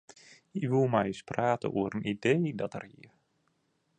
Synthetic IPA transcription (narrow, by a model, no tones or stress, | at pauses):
ikʋulˠmajspraːtə̰ʔuəɾənideːdɔtə̰riə